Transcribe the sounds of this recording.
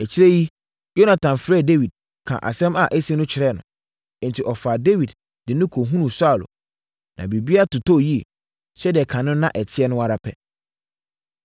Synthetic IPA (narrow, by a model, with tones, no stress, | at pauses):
ɛ˨t͡ɕʰi˦ɾe˦ji˦ | jo˦nã˨tʰã˨mfɾɛ˦˨de˦wi˨d̚ | kʰã̰˨ʔa̰˨sɛ̃˦ma˨ʔæ˦si˦nʊ̃˦t͡ɕʰɪ˨ɾɛ˦˨nʊ̰̃˨˦ | n̩˨tʰi˨ʔɔ˨fa˨de˦wi˨d | dɪ˨nʊ̃˦kʰo˨ɦũ˦nũ˨sa˦˨lʊ̰˨ | nã̰˨bi˨bi˦a˦tʊ˨tʰo˦˨ji˦ḛ˨ | ɕɛ˦dɛ˨kʰã˨nʊ̃˦nã˦ʔɛ˨tʰɪ˦ɛ˦nʊ̃˦a˦ɾa˦pʰɛ˨